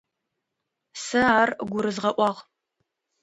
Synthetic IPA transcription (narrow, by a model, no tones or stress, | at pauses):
sɐaːrɡʷʊɾɨzʁɐʔʷɑːʁ